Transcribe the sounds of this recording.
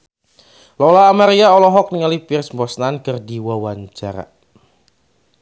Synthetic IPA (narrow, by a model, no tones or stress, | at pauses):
lɔlaːmaɾiaɔlɔɦɔk̚niŋalipirsmbɔsnankərdiwawaɲt͡ʃaɾa̰